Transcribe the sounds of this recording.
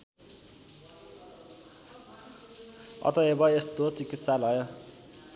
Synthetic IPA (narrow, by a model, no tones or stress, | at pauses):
ʌ̰t̪ʌebʌest̪ot͡sikit̪salɦʌjʌ